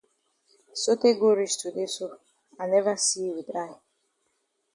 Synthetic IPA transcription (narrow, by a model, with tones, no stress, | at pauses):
so˦te˦ɡo˦ɾi˦stu˨de˦so˦ | a˨nɛ˦va˦si˦wi˨dɾa˦ɪ˨